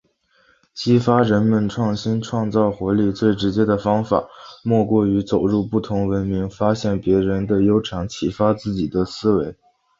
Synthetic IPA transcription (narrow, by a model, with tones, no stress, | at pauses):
t͡ɕʰi˥fa˥ɻə˧˥nmə˧nʈ͡ʂʰwɑ˥˩ŋɕi˥nʈ͡ʂʰwɑ˥˧ŋt͡sɑ˥˩ʊxwɔ˧˥li˥˧t͡swe˥˩ɪʈ͡ʂɻ̩˧˥t͡ɕjɛ˥d̪ə˨fɑ˥ŋfa̰˨˩˦mwɔ˥˧kwɔ˥˩y˧˥t͡so˨˩ʊɻu˥˧pu˥˩t̪ʰʊ˧˥ŋwə˧˥nmi˧˥ŋfa˥ɕjɛ˥˩npjɛ˧˥ɻə˧˥nd̪ə˧jo˥ʊʈ͡ʂʰɑ˧˥ŋt͡ɕʰi˨˩fa˥t͡sɹ̩˥˩t͡ɕi˨˩d̪ə˦sɹ̩˥we˧˥ɪ